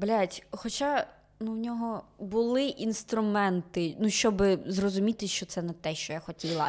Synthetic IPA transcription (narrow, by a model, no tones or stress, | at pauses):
blʲatʲxɔt͡ʃa | nuwnʲɔɦɔbʊlˠɪʔinst̪ɾʊmɛnt̪ɪnuʃt͡ʃɔbɪzrɔzʊmʲit̪ɪʃt͡ʃɔt̪sɛnɛt̪ɛʃt͡ʃɔjaxɔtʲilˠɐ